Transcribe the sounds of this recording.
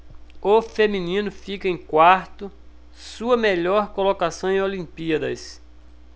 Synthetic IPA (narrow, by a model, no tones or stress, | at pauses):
ofemĩnĩnʊfikɐẽj̃kwaɾt̪ʊ | suɐmeʎɔɾkolokasɐ̃w̃ẽj̃olĩpiɐd̪ɐs